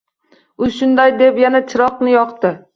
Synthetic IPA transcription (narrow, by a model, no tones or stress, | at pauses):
ʊʃʊnd̪ajd̪e̞pjanat͡ʃʰɪɾɒqnɪjɒqt̪ɪ